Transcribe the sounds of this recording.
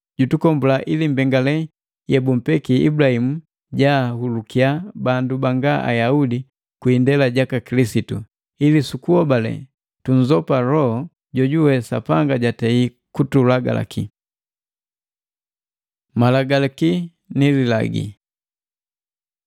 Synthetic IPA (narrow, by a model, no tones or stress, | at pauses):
ɟutukɔmbulaʔilim̩bɛŋɡalɛ | jɛbum̩pɛkiḭbulahimu | ɟahulukiabandubaŋɡaʔa̰jaudi | kwindɛlaɟakakilisitu | ilisukuɔbalɛ̰ | tuɲzɔpalɔhɔ | ɟɔɟuwɛsa̰paŋɡaɟatɛi | kutulaɡa̰la̰kḭ | malaɡalaki | nilila̰ɡḭ